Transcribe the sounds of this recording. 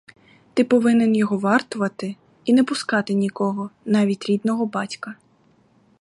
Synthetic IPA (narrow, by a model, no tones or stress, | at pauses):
t̪ɪpɔʋɪnɪnjɔɦɔʋɑrt̪ʊʋɐt̪ɪ | inɛpʊskɑt̪ɪnʲikɔɦɔnɑʋʲitʲɾʲid̪nɔɦɔbɑtʲkɐ